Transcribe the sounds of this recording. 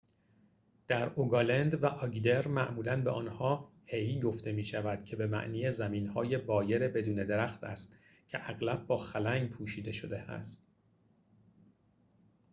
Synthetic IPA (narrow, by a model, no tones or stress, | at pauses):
d̪̥æɾoɡɒlend̪væʔɒɡd̪eɾmæʔmuːlænbeʔɒːnhɒː | hejɡo̞ft̪e̞miːʃævæd̪̥cʰe̞be̞mæ̰ʔniːjezæmiːnhɒːje̞bɒːje̞ɾebe̞d̪uːne̞d̪eɾæxt̪æst̪ | cʰe̞ʔæɣlæb̚ːɒːxælæŋɡpʰuːʃiːd̪e̞ʃo̞d̪e̞æ̰st̪̚